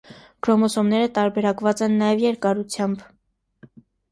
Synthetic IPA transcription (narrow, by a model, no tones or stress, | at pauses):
ɡ̥ɾɔmɔsɔmnɛɾət̪ɑɾbɛɾɑkvɑt͡sɛnːɑjɛvjɛɾkɑɾut͡sʰjɑmb